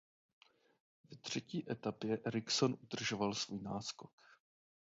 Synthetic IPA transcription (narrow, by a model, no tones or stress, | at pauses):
vɛt̪r̝̥ɛciːʔɛt̪apjɛʔɛɾɪksonʔud̪r̩ʒovalsvuːjnaːskok